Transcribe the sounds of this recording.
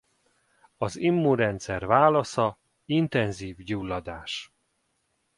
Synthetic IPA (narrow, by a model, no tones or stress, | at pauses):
ɒzimːuɾɛnt̪sɛrvaːlɒsɒ | int̪ɛnziːvɟuːlːɒd̪aːʃ